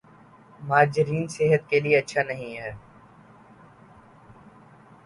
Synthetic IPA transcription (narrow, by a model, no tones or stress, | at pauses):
maːd͡ʒɪɾiːnseɦət̪kelieɐtːʃʰanɐɦĩɦɛː